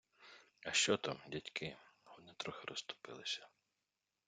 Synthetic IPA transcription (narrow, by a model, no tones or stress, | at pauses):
ɐʃt͡ʃɔt̪ɔmdʲitʲkʰɪhɔd̪nɛt̪ɾɔxeɾʔɔst̪ʊ̥pɪ̰lˠɪsʲɐ̥